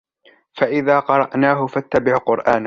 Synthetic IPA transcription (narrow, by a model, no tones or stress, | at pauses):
faʔɪðaːqɑɾˤɑʔnaːɦʊfat̪ːabɪʕqʊɾʔaːn